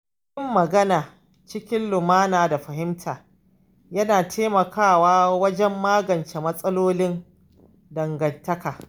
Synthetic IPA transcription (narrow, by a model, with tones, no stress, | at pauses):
ɪ˦mːɐ˨ɡɐ˦naː˨ | t͡ʃɪ˦kʲɪ˦nlʊ˨maː˦naː˨da˨ɸɐ˨hɪ˦mtʰaː˨ | jɐ˦naː˨tʰeː˦mɐ˨kʰaː˦˨waː˦wɐ˦d͡ʒɛ˦mːaː˦ɡɐ˨nt͡ʃeː˨mɐ˦sʼɐ˦loː˦lɪ˦n | dɐ˨ŋɡɐ˨ntːɐ˦kaː˨